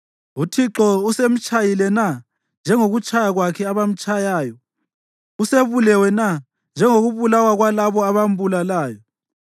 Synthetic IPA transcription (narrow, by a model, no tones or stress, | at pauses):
utʰiǁɔusem̩t͡ʃʼajilɛna | nd͡ʒʱɛŋoɣut͡ʃʼajaɣwakʰɛaβam̩t͡ʃʼajaːjɔ | useβulɛwɛna | nd͡ʒʱɛŋoɣuβulawaɣwalaβɔaβam̩bulalaːjɔ